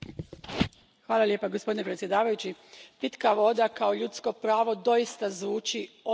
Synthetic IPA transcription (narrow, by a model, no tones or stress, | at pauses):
xʋaːlˠaljeːpaɡospod̪inepɾet̪sjed̪aːʋajut͡ɕipit̪kaʋo̞d̪akao̞ʎut̪sko̞pɾaːʋo̞d̪o̞jist̪azʋuːt͡ʃio